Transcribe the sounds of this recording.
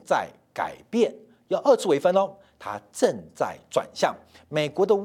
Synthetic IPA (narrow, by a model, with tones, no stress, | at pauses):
t͡sa̰˥˩ɪ | ka̰˨˩ɪpjɛ˥˩n | jɑ˥˧ʊʔə˥˧t͡sʰɹ̩˥˩we˧˩fə˥nə˥ | t̪ʰa̰˥ʈ͡ʂə˥˧ŋt͡sa̰˥˩ɪʈ͡ʂwa̰˨˩nɕjɑ̰˥˩ŋ | me˨˩ɪkwɔ˧˥d̪ə˧